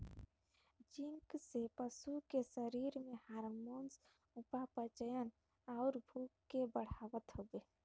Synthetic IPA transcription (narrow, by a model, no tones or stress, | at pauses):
d͡ʒiŋksepəsukesəɾiːɾmẽhaːɾmoːns | ʊpapət͡ʃəjən | aʊɾbʱuːkːebəɽ̤aːʋət̪ɦobeː